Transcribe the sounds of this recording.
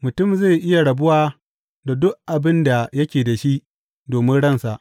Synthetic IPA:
mʊ˨tʊ˦˨mze˦˨jʔɪ˦ja˨ɽɐ˨bʊ˦waː˦ | da˨dʊ˦ʔʔa˨bɪ˦nda˨jɐ˦kʲeː˨da˨ʃi˦ʔ | doː˨mɪ˦nɽɐ˦˨nsa˨ʔ

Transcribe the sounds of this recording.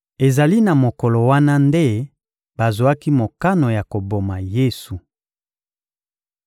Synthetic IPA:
e˨za˨li˦na˨mo˨kɔ˨lo˨wa˦na˦nde˦ | ba˨zo˨a˦ki˦mo˨ka˦no˨ja˨ko˨bo˨ma˨je˦su˨

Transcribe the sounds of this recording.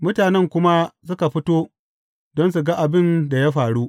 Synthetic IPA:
mʊ˦taː˨nɛ˦ŋkʷʊ˦ma˦sʊ˦ka˨ɸɪ˦toː˦ | dɔ˦ns̬u˨ɡa˦ʔa˨bɪ˦nda˨ja˦ɸaː˨ɽu˦ʔ

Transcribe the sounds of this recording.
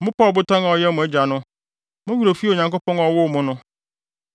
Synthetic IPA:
mʊ̃˦pɔː˦˨bʊ˦tʰɔ̃˦na˨ɔ˨jɛ˦mʊ̃˨ɛ˦d͡ʑᶣa˨nʊ̃˦ | mʊ̃˦wu˦ɾo˨fi˦o˨ɲã˨ŋko˦pɔ̃˦nɔ˨wʊ˦˨mʊ̃˦nʊ̃˦

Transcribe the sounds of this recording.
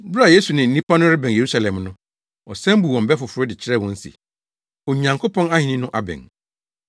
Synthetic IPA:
bɾa˨je˦su˨nɪ̃˨n̩˦nĩ˦pa˦nʊ̃˦ɾɪ˦bɛ̃˨nje˨ɾu˦sa˨lɛ̃˨mnʊ̃˦ | ɔ˨sɛ̃˦m˦bu˨wɔ̃˨m˨bɛ˦fʊ˨fʊ˨ɾʊ˦dɪ˨t͡ɕʰɪ˦ɾɛ˦˨wɔ̃˦n̩˦sḭ˨ | o˨ɲã˨ŋkʰo˦pʰɔ̃˦na˦hĩ˨nĩ˦nʊ̃˦ʔa˨bɛ̰̃˨n

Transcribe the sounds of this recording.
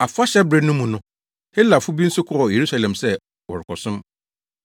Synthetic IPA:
a˨fʊ˦a˦ɕɛ˦bɾe˦nʊ̃˦mũ˨nʊ̃˦ | he˦lːa˨fʊ˦bi˦n̩˦sʊ˦kʰʊ˦ɾɔ˨je˨ɾu˦sa˨lɛ̃˨msɛ˦ | wɔ˨ɾɪ˨kʰɔ˨sʊ̃˦m

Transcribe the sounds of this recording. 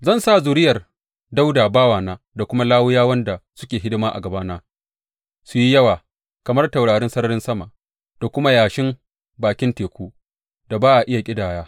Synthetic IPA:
zɐ˦˨nsaː˦˨zʊ˨ɾɪ˦jɐ˨r | da˦wdaː˨baː˦waː˨naː˦ | da˨kʷʊ˦ma˦laː˦wʊ˦jaː˦wɐ˦nda˨sʊ̥˦kʲeː˨ɦɪ˦dɪ˦maː˦ʔa̰˨ɡɐ˨baː˦naː˦ | su˨ji˦jɐ˦waː˨ | kɐ˨mɐ˦rta˨wɽaː˨ɾɪ˦nsɐ˦nɐ˦ɽɪ˦nsɐ˦ma˨ | d̥a˨kʷʊ˦ma˦jaː˨ʃɪ˦m | baː˨kʲɪ˦nteː˨kʷuː˦ | d̥a˨baː˦ʔa˨ʔɪ˦ja˨kʲʼɪ˦daː˨jaː˦

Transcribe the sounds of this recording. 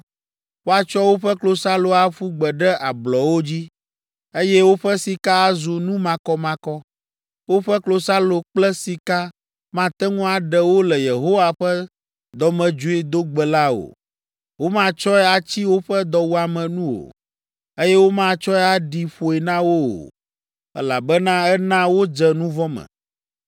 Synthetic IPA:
wo˦a˨t͡ʃɔ˦wo˦ɸɛ˦klo˨sa˦lo˨a˨fu˦ɡ͡bɛ˨ɖɛ˦ʔa˨blɔ˨wo˦d͡ʑi˦ | e˦jɛ˦wo˦ɸɛ˦si˨ka˦a˦zu˨nũ˦mã˨kɔ˦mã˨kɔ˦ | wo˦ɸɛ˦klo˨sa˦lo˨k͡plɛ˦si˨ka˦ | mã˦t̪ɛ˦ŋũ˦a˨ɖɛ˨wo˦lɛ˨je˨ɦo˦wa˨ɸɛ˦ | d̪ɔ˨mɛ̃˨d͡ʒu˦e˦d̪o˦ɡ͡bɛ˨la˦o̰˨ | wo˦mã˦˨t͡ʃɔ˦ɛ˦a˨t͡ɕi˦wo˦ɸɛ˦d̪ɔ˨wu˦a˨mɛ̃˨nũ˦o̰˨ | e˦jɛ˦wo˦mã˦t͡ʃɔ˦ɛ˦a˨ɖi˨ɸo˨ɛ˨nã˦wo˦o̰˨ | ɛ̰˦la˨bɛ˦nã˦ɛ˦nã˦wo˦d͡ʒɛ˨nũ˦vɔ˦mɛ̰̃˨

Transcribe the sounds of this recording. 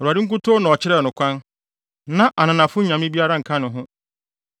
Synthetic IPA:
ɔ˨ɾu˨a˨di˦ŋ̩˦k̬ʊ˦tʰo˦nã˨ɔ˨t͡ɕɪ˦ɾɛ˦˨nʊ̃˨kʷʰã˦n | nã˦ʔa˨nã˨nã˨fʊ˦ɲã˨mɪ̃˦bi˦a˦ɾa˦ŋ̩˨kʰã˦nʊ̃˨ɦʊ̃˦

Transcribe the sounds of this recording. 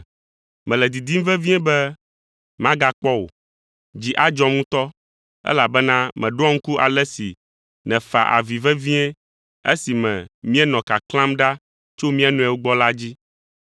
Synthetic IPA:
mɛ̃˨lɛ˨d̪i˨d̪i˦m˦vɛ˦vi˦ɛ̃˦bɛ˦ | mã˦ɡa˦k͡pɔ˦wo̰˨ | d͡ʑi˦ʔa˦d͡ʒɔ˦mũ˦t̪ɔ˦ | ɛ̰˦la˨bɛ˦nã˦mɛ̃˨ɖo˦ɔ˦ŋ̩˦ku˦ʔa̰˨lɛ˦si˨ | nɛ̃˨fa̰˨ʔa̰˨vi˨vɛ˦vĩ˦ɛ̃˦ | ḛ˦si˨mɛ̰̃˨mĩ˦ɛ˦nɔ̃˨ka˨klã˦mɖa˦ | t͡ʃo˦mĩ˦a˨nũ˨ɛ˨wo˦ɡ͡bɔ˦la˦d͡ʑi˦

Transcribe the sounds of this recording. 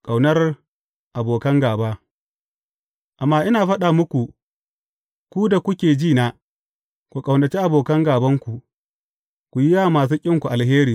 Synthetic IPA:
kʼa˨wnɐ˦r | ʔa˨boː˨kɐ˦ŋɡaː˨baː˦ | ʔa˨mːaː˦ʔɪ˦naː˨ɸɐ˦ɗaː˨mʊ˦kʷu˨ | kʷu˦da˨kʷʊ˦kʲeː˨d͡ʒiː˦˨naː˦˨ | kʷu˨kʼa˨wnɐ˨t͡ʃi˦ʔa˨boː˨kɐ˦ŋɡaː˨bɐ˦ŋkʷu˨ | kʷu˨ji˦jaː˦˨maː˨s̬uː˦kʲʼɪ˦ŋkʷu˨ʔa˨lɦeː˦ɾiː˨

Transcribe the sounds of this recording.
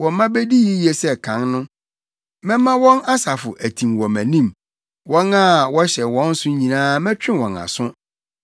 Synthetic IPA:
wɔ̃˨mã˦be˦di˦ji˦jɛ˨sɛ˦kʰã˨˦nnʊ̃˦ | mɛ̃˦mã˦wɔ̃˦na˦sa˨fʊ˨ʔæ˨tʰĩ˨mwɔ̃˨mæ̃˨nĩ˦m | wɔ̃˦nã˦˨wɔ˦ɕɛ˨wɔ̃˦n̩˦sʊ˦ɲĩ˨nãː˦mɛ̃˦t͡ɕᶣɪ̃˦wɔ̃˨na̰˨sʊ̃˦

